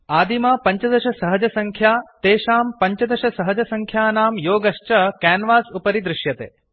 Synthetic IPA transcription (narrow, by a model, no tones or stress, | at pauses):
aːd̪imaːpɐɲt͡ʃɐd̪ɐʃɐsɐɦɐd͡ʒɐsɐŋkʰjaːt̪eːʃaːmpɐɲt͡ʃɐd̪ɐʃɐsɐɦɐd͡ʒɐsɐŋkʰjaːnaːmjoːɡɐʃt͡ʃɐkaːnʋaːsupɐɾid̪ɾɪʃjɐt̪ḛː